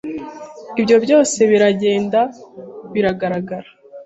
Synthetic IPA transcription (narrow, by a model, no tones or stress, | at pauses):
ibɟo̞bɟo̞ːse̞βiɾaɟe̞ːndaβiɾaɡaɾaɡaɾḁ